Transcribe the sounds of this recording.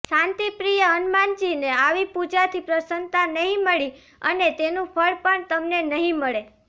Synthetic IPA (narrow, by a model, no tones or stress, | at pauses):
ʃãnt̪ipɾijəənmant͡ʃineaʋipud͡ʒat̪ʰipɾəsənt̪anəɦĩməɭi | ənet̪enũpʰəɭpəɳt̪əmnenəɦĩməɭe